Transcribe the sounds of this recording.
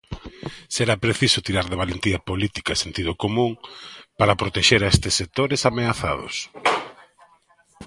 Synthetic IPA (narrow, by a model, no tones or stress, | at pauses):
seɾapɾeθisʊt̪iɾaɾðeβalent̪iɐpolit̪ikaesent̪iðʊkomũŋpaɾɐpɾot̪eʃeɾaest̪ɪsːek̚t̪oɾesameaθa̰ðo̰s